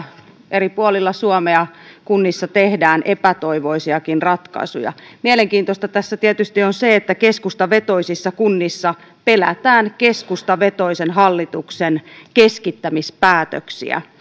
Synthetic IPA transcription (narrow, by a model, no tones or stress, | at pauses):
ʔeripuolilːɑsuɔmeɑkunːisːɑt̪ehdæːnʔepæt̪oiʋoisiɑkinrɑt̪kɑ̰isṵjɑ̰mieleŋkiːnt̪ost̪ɑt̪æsːæt̪iɛt̪yst̪ionseet̪ːækeskust̪ɑʋet̪oisisːɑkunːisːɑ | pelæt̪æːnkeskust̪ɑʋet̪oisenɦɑlːit̪uksenkeskit̪ːæmispæːt̪ø̰ksḭæ̰